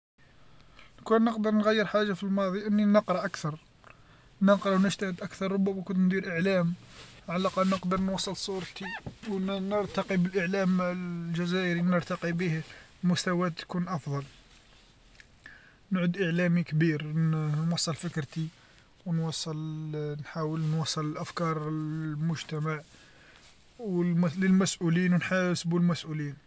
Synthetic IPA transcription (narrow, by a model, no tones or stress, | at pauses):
nkunːəqd̪əɾˤnɣæjːəɾħaʒːafilmɑd̪ˤiʔənːinəqɾˤɑʔakt̪ɑɾˤ | nəqɾˤɑwnəʒt̪æhəd̪ʔækθɑɾˤɾˤʊbːæmækʊnt̪nd̪iɾʔəʕlæmʕalæqɑlnəqd̪əɾˤnwɑsˤːəlsˤuɾˤt̪iwnəɾt̪ɑqibəlʔəʕlæmlʒæzæʔəɾinəɾt̪ɑqibihmʊst̪æwæt̪ːkunʔɑfd̪ˤɑl | nʕʊd̪ʔəʕlæmikbiɾnwɑsˤːəlfəkɾt̪i | wnwɑsˤːəlnħawəlnwɑsˤːələlʔæfkɑɾˤmʊʒt̪æmaʕ | wmləlmæsʔulinwnħasbulmæsʔulin